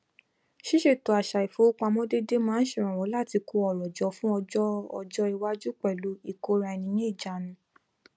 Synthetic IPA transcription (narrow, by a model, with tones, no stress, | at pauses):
ʃi˦ʃe˦˨to˨a˨ʃa˨i˨fo˨˦k͡pa˧mɔ̃˦de˦de˦mãː˦n̩˦ʃĩ˦˨ɾ̃ã˨wɔ˨˦la˦˨ti˧ko˧ɔ˨ɾɔ˨d͡ʒɔ˨˦fũ˦ɔ˧d͡ʒɔ˦ɔ̰˧d͡ʒɔ˧i˧wa˧d͡ʒu˦k͡pɛ˦˨lu˨˦i˦˨ko˧ɾa˧ɛ˨nĩ˧˦j̃ĩ˦i˦˨d͡ʒa˨nũ˨˦